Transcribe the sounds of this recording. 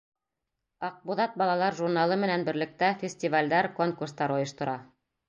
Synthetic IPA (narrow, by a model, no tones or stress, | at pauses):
ɑq̚buðɑt̪̚bɑlˠɑlˠɑɾʒuɾnɑlˠɤmɘ̆nænbɘ̆ɾlɘ̆k̚t̪æfʲɪsʲtʲivalʲd̪ɑɾkoŋkurst̪ɑɾŏjɤ̆ʃt̪ŏɾɑ